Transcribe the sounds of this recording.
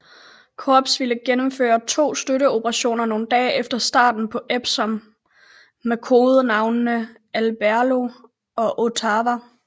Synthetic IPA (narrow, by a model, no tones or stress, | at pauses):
kʰɒb̥sʋiləɡ̥enəmfø̰ːɐt͡sʰo̝̰ːsd̥øɾəo̝pʰəʁɑ̈ɕo̝̰ːnɐno̝ːn̩d̥ɛ̰ːefd̥ɐsd̥ɑ̰̈ːd̥n̩pʰɒ̽ʔeb̥sɒ̽mː | ekʰo̝ːð̩ˠnɑ̈ʊnnə | ælb̥æɐlo̝ | ɒ̽ʔo̝t͡sʰɑʋæ